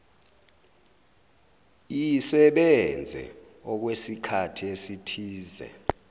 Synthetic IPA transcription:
ijsɛɓɛnd͡zʱɛ̰ | ɔk̬wesikʰatʰiesitʰiːzɛ̰

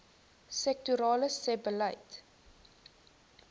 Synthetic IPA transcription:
sɛk̚tuɾɑːləsɛbəlɐjt

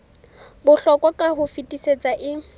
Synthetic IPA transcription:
bʊɬɔkʼɔkʼaɦʊfitʼiset͡sʼaʔɪ

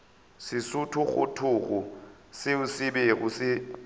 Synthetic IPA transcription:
sɪsʊtʰʊχʊ̰tʰʊɣʊ | sɪʊsɪbeɣʊsɪ

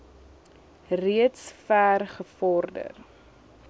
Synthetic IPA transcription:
riətsfæːrχəfɔrdə̰r

